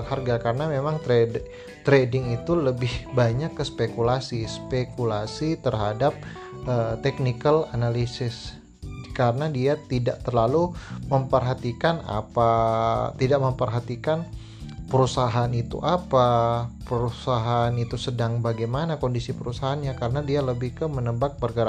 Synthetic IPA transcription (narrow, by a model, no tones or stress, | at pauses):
ŋharɡakaɾənamemaŋt̪ɾe | t̪ɾedɪŋit̪uləbɪhbaɲakːəspekulasispekulasit̪ərɦadap̚ | ʔət̪ɛk̚nikəlanalisɪs | kaɾənadiat̪idaʔt̪ərlaluməmpərɦat̪ikana̰pat̪idaʔməmpərɦat̪ikan | pəɾusaɦanit̪ṵʔapapəɾusaɦanit̪usədaŋbaɡajmanakondisipəɾusaɦanɲakaɾənadialəbɪhkəmənəmbak̚bərɡəɾa